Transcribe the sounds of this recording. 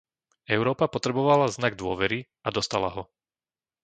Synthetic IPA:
ɛʊɾɔːpapɔt̪ɾɛbɔʋalaznaɡ̚d̪ʊɔʋɛɾi | ad̪ɔst̪ala̰ɦɔ

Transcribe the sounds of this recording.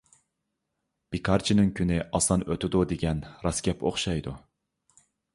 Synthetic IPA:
b̥ikʰɑɾt͡ʃʰinɪŋkʲʰynɪʔɑsɑnøt̪ɪd̪ud̪eɡʲɛnɾɑskʲɛpʰo̰χʃɑjd̪u

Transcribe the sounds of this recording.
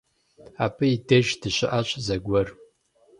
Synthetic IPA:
apʰʼɨideʒdɨʃʷɪʔaɕʷʰʼzaɡʷɐr

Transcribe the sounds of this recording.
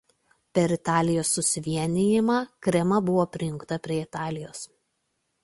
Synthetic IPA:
pʲɛɾɪt̪ɑːlʲɪjoːsːʊsʲɪʋʲiɛnʲɪjɪmɑːkɾʲɛmɐbʊʋoːpʲɾʲɪjʊŋkt̪ɐpʲɾʲiɛɪt̪ɑːlʲɪjoːs

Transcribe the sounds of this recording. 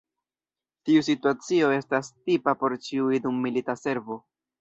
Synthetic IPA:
tius̬ituat͡sio̞e̞stastipapo̞ɾt͡ʃiuidumːilitase̞ɾvo̞

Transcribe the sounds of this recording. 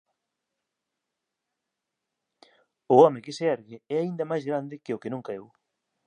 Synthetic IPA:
ʊɔmɪkɪseɛɾɣɪɛaind̪ɐmajzɣɾand̪ɪkeʊkenũŋkaew

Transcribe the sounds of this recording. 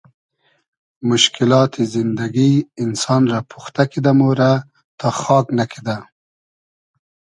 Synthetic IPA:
mʊʃkɪlɑt̪izɪnd̪aɡiɪnsɑnɾapʰuxt̪akid̪amoɾa | t̪ʰɑxɑknakʰed̪a

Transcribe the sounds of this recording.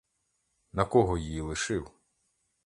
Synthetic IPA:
nɐkɔɦɔjijilˠɪʃɪw

